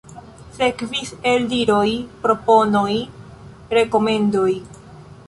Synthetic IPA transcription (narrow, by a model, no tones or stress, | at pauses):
se̞kvise̞ldiɾo̞jpɾo̞po̞no̞j | ɾe̞ko̞me̞ndoj